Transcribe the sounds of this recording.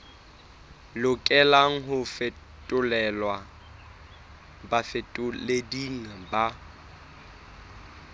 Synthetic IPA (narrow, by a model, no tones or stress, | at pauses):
lʊkʼɛlaŋ̩ɦʊfɛ | tʼʊlɛlwa | bafɪtʼʊlediŋ̩ba